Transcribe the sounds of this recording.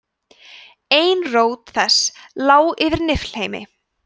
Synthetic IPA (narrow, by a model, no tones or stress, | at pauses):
eːjnroːwt̪θɛslaːwɪvɪɾnɪfl̥heːjmɪ̰